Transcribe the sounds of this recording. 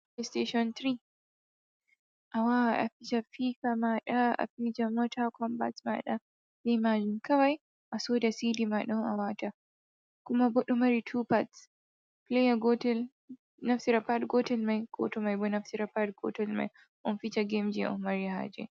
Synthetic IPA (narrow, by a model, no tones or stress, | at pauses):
plesteʃɔnt̪ɾi | ʔawaʔa̰fit͡ʃafikamaɗaa̰fid͡ʒamɔtʰakʰɔmba̰tma̰ɗa | limad͡ʒinkawaj | ʔasɔːdasidimaɗɔnawata | kumabɔɗɔmaɾitʰupats | plejaɡɔtɛl | naftiɾapatɡɔtɛlmajkʰɔ̰tɔmajbɔnaftiɾapatɡɔ̰tɛlma̰j | ʔɔnfit͡ʃaɡemd͡ʒɛʔɔ̰maɾiha̰d͡ʒɛ̰